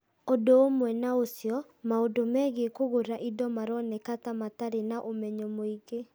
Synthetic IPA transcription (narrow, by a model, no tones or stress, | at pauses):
odoomwɛnaosjɔ | maodomɛɣekoɣoɾaʔidɔmaɾɔnɛkatamataɾenaʔomɛɲɔmoiɣe